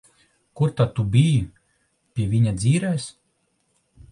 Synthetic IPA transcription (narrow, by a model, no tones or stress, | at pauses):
kuɾt̪at̪ubʲiji | pʲiɛvʲiɲad̪zʲiːɾɛjs